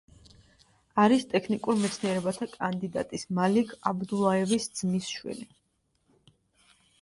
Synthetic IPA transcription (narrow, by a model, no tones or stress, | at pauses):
aɾist̪ʼɛkʰnikʼuɾmɛt̪sʰniɛɾɛbat̪ʰakʼand̪id̪a̰t̪ʼismalikʰʼabd̪ulˠaɛvisd̪z̥misʃwḭli